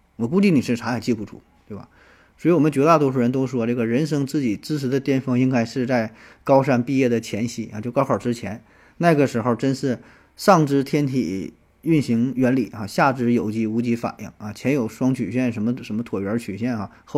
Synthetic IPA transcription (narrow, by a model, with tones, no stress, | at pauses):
wɔ˨˩ku˥˧t͡ɕi˥˩ni˨˩ʂɻ̩˥˩ʈ͡ʂʰa˧˥xa˨˩ɪt͡ɕi˥˧˩pu˥˩ʈ͡ʂʰṵ˥ | t̪we˥˩ɪbɐ̰˩ | swi˧wɔ˨˩mə˦nt͡ɕɥɛ˧˥t̪a˥˩t̪wɔ˥ʂu˥˩ɻə˧˥nt̪o˥ʂ̩˥˩ʂwɔ˥ʈ͡ʂɤ˥˩ɡə˩ɻə˧˥nʂɤ˥ŋt͡sɹ̩˥˩t͡ɕi˨˩t͡sɹ̩˥ʈ͡ʂ̩ʰ˧˥d̪ə˧t̪jɛ˥˧nfɤ˥ŋi˥ŋka˥ɪʂɻ̩˥˧t͡sa˥˩ɪkɑ˥ʊʂa˥˧npi˥˧jɛ˥˩d̪ə˩t͡ɕʰjɛ˧˥nɕḭ˥˩a̰˥˩t͡ɕjo˥˩ʊkɑ˥xʰɔ˞˨˩ʈ͡ʂɻ̩˥t͡ɕʰjɛ˧˥n | na˥˩ɪ˧˥ɡə˩ʂɻ̩˧˥xo˥˧ʊʈ͡ʂə˥nʂɻ̩˥˩ | ʂɑ˥˩ŋʈ͡ʂɻ̩˥t̪ʰjɛ˥nt̪ʰḭ˨˩ | y˥˩nɕi˧˥ŋɥɛ˧˥nli˨˩xa˧˩ɕja˥˩ʈ͡ʂɻ̩˥˩jo˨˩ʊt͡ɕi˧˥˩u˧˥t͡ɕi˧˥fa̰˨˩njḭ˥˩ŋa˥˧t͡ɕʰjɛ˧˥njo˨˩ʊʂwɑ˥ŋt͡ɕʰy˨˩ɕɥɛ˥˩nʂə˧˥nmə˧ʂə˧˥nmə˧t̪ʰwɔ˨˩ɥɛ˧˥t͡ɕʰy˨˩ɕjɛ˥˩nxa˧˩x